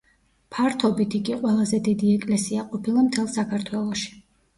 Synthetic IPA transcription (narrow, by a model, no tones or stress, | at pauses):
pʰaɾt̪ʰɔbit̪ʰikʼiqʼwɛlˠazɛd̪id̪iɛkʼlɛsiaqʼɔpʰilˠamt̪ʰɛlˠsakʰaɾt̪ʰwɛlˠɔʃi̥